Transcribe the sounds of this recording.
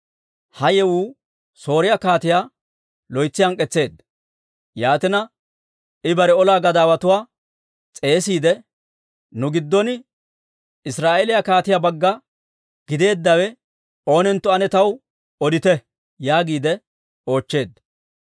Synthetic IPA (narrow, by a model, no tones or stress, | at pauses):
hɐjɛwuː | so̞ːɾɪjakaːt̪ɪjaː | lɔjt͡sːɪjɐŋkʼɛt͡sːe̞ːd̪ | jaːt̪ɪnɐ | ɪbɐɾɛɔlaːɡɐd̪aːwɐt̪ʊwaː | t͡sʼe̞ːsiːd̪ɛ | nʊɡɪd̪ːɔnɪ | ɪsɾaːʔelɪjakaːt̪ɪjabɐɡːɐ | ɡ̥ɪd̪e̞ːd̪ːɐwɛ | o̞ːnɛnt̪ːɔɐnɛt̪ɐw | ɔd̪ɪt̪ɛ | jaːɡiːd̪ɛ | o̞ːt͡ʃːe̞ːd̪ːɐ